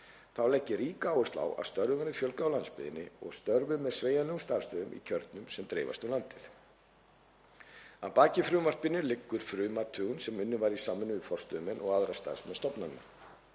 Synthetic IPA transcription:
θawlɛhcːɪɾiːkaaːwʏst̪la̰ːwa̰ð̥st̪œɾðʏvaɾɪfjœlkawlanspɪ̰ðɪ̰nːɪ̰ɔ̰ɣst̪œɾvʏmɛðsveːjalɛɣʏmst̪aːɾ̥st̪œːðʏmʔḭcʰœɾt̪nʏmsɛmt̪ɾḛːva̰st̪ulant̪ɪθ | apaːcɪfɾʏːʏmar̥̚pɪnːɪlɪkːʏɾ̥fɾʏːmat̪ʰʏːɣʏnsɛmʏnːɪvaɾisaːmɪnʏðʏfɔr̥st̪œðʏmɛnɔɣaðɾast̪a̰ɾ̥smɛðst̪ɔpnanːa

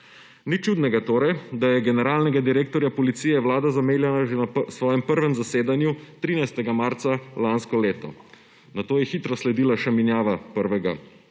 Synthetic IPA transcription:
nit͡ʃud̪nɛɡat̪oːɾɛjd̪ajɛɡɛnɛɾaːlnɛɡad̪iɾeːk̚t̪ɔɾjapɔlit̪siːjɛwlaːd̪azameːljanaʒɛnasʋɔːjɛmpəɾʋɛmzaseːd̪anjut̪ɾiːnajst̪ɛɡamaːɾt̪salanskɔleːt̪ɔ̰ | nat̪oːjɛxit̪ɾɔslɛd̪iːlaʃaminjaːʋapəɾʋɛɡa̰

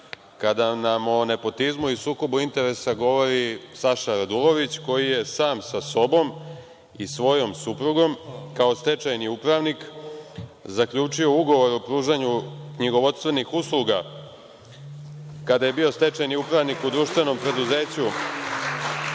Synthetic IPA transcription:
kad̪anamo̞ne̞po̞t̪izmuisuːko̞buint̪e̞ɾe̞saɡo̞ʋo̞ɾisaʃaɾad̪ulo̞ʋit͡ɕko̞jije̞saːmsaso̞bo̞m | isʋo̞jo̞msupɾuɡo̞mkao̞st̪e̞t͡ʃajniupɾaʋnik | zakʎʲuːt͡ʂio̞uɡo̞ʋo̞ɾopɾuːʒaɲukɲiɡo̞ʋo̞t̪st̪ʋe̞nixuslˠuɡa | kad̪aje̞bio̞st̪e̞t͡ʃajniupɾaʋnikud̪ɾuʃt̪ʋe̞no̞mpɾe̞d̪uze̞ːt͡ɕu

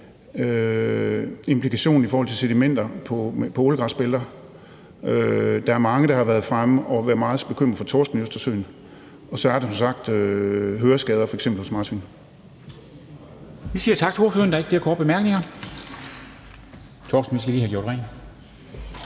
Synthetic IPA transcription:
ø | e̝mpʰlikʰæɕo̝̰ːn̩ifɔːhɒl̰t͡sʰelsed̥imen̰d̥ɐpʰɒ̽pʰɒoːləɡ̥ʁɑ̈sb̥eld̥ɐ | ød̥ɑ̈æɐmɑ̈ŋəɾ̥ɑ̈hɑ̈ʋæɐð̞̩ˠfʁaməʔɒ̽ʋæːɐmɑ̈ːð̞̩ˠb̥e̝kʰøm̰ɐfɒ̽t͡sʰɒ̰ːsd̥n̩øsd̥ɐsø̰ːn | ɒ̽sɒ̽æɐɾ̥esɒ̽msɑ̈ɡ̥d̥øɦøːɐsɡ̥ɛːð̞ˠɐfɒ̽eɡ̥semb̥l̩hɔsmɑ̈ːd̥ʰʋin | ʋisiːɐt͡sʰɑ̈ɡ̥̚ʰe̝oɐføːɐnd̥ɑ̈eɡ̥d̥eɐkʰɔ̰ːd̥̚b̥emæɐɡ̥ne̝ŋɐ | t͡sʰɔːsd̥n̩ʋisɡ̥əlihæɡ̥jo̰ɐɾ̥ʁɛ̰ɪn

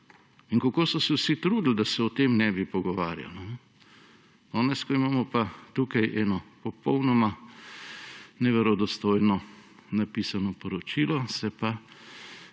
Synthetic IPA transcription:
inkakoːsɔsɛwsit̪ɾuːd̪l̩d̪asɛɔt̪emnɛːbipɔɡɔʋaːɾja̰ln | d̪̥ɔːnɛskɔimaːmɔpat̪uːkajʔɛːnɔpɔpɔwnɔma | nɛʋɛɾɔd̪ɔst̪oːjnɔnapiːsanɔpɔɾɔt͡ʃilɔsɛpa

